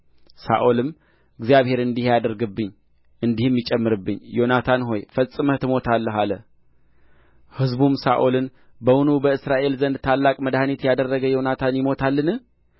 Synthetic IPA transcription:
sa̰ʔolɨm | ɨɡzijaβhe̞ɾɨnd̪ihjad̪əɾɡɨbːɨɲː | ɨnd̪ihɨmjɪt͡ʃʼɛmːɨɾɨbːɨɲːjo̞nat̪ʰanɦo̞jfəsʼɨmət̪ʰɨmo̞t̪ʰalːəɦalə | hɨzbumsaʔolɨn | bəwunubəɨsɾaʔe̞lzənd̪t̪ʰalːakʼməd̪ahnit̪jad̪ərːəɡəjo̞nat̪ʰanjɪmo̞t̪ʰalːɨnɨh

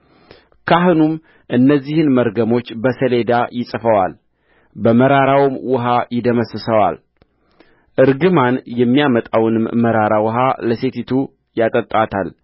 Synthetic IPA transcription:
kʰaɦɨnum | ʔɨnːəzːihɨnməɾɡəmo̞t͡ʃːbəsəle̞d̪ajɪsʼfəwal | bəməɾaɾawmwʊɦajɪd̪əməsɨsəwa̰l | ʔɨɾɡɨmanjɛmːijamət̪ʼawnɨmməɾaɾawʊɦaləse̞t̪it̪ʰu | jat̪ʼət̪ʼːat̪ʰal

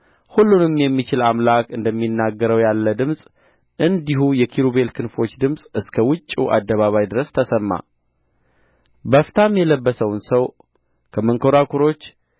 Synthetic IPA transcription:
hulːunɨmjɛmːit͡ʃɪlamlakɨnd̪əmːinːaɡːəɾəwjalːəd̪ɨmsʼ | ʔɨnd̪iɦujɛkʰiɾuβe̞lkʰɨnfo̞t͡ʃːd̪ɨmsʼɨskʰəwʊt͡ʃʼːuʔa̰d̪ːəβaβajd̪ɨɾəst̪ʰəsəmːa̰ | bəft̪ʰamjɛləbːəsəwnsəw | kʰəməŋkʰoɾakʰuɾo̞t͡ʃː

